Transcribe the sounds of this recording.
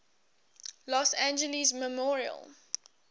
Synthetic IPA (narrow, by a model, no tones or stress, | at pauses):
lɔsæ̃nd͡ʒəlizməmɔɹiə̰l